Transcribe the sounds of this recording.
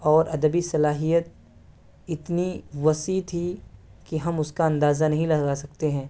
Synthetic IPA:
ɔːɾɐd̪əbisɐlaːɦijət̪̚ | ɪt̪niʋɐsit̪ʰikiɦɐmʊskaɐ̃nd̪aːzanɐɦĩlɐɡaːsɐkt̪eɦɛ̃ː

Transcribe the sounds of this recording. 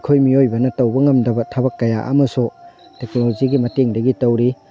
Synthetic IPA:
kʰojmiojbɐnɐtɐwbɐŋɐmdɐbɐtʰɐbɐkːɐja̰ʔɐ̰mɐsutek̚noloziɡimɐteŋdɐɡitɐwɾi

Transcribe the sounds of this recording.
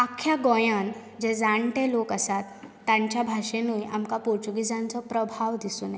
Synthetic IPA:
akʰːjaɡɔjan | d͡zed͡zaɳʈelokəsat̪ː | ãɲt͡ɕjabʱaʂenuːjamkapoɾt͡ɕuɡid͡zãnt͡sɔpɾəbʱaʋd̪isuːne

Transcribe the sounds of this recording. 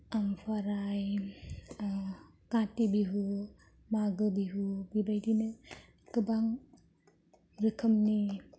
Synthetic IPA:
ampʰaɾaj | katibiɦu | maɡɯbiɦubibajdinɯ | kɯbaŋ | ɾɯkʰəmni

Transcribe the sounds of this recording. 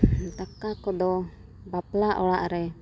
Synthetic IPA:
t̪akakɔd̪ɔ | baplaʔɔlaʔɾɛ

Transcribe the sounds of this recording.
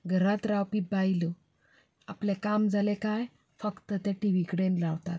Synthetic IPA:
ɡʱəɾat̪ɾawpibajlo | aplekamd͡zʱalekaj | fəkt̪ət̪aʈiʋikɽẽnlawt̪a̰t̪̚

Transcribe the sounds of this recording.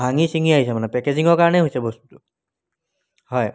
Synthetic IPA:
bʱaŋisiŋiaɦisɛmanɛpɛkeziŋɔɹkaɹɔnɛɦojsɛbost̪utʊ | hɔj

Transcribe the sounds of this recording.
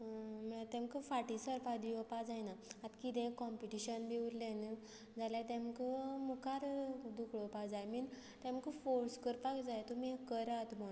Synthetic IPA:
məɭat̪ɛ̃mkəfaʈisəɾpad̪iɔpad͡zajnaat̪kit̪ɛ̃kɔmpiʈiɕənbeuɾlẽnə | d͡zaljat̪ɛ̃mkəmukaɾd̪ukʰɭopakd͡zajmin | t̪ɛ̃mkəfoɾskəɾpakd͡zajt̪umikəɾat̪m̤ə

